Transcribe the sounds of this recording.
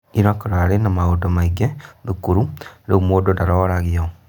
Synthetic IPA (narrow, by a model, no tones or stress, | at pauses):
iɾɔkɔɾaɾenamaodɔmaiɡɛðukuɾuɾeumoːdondaɾɔɾaɣiɔ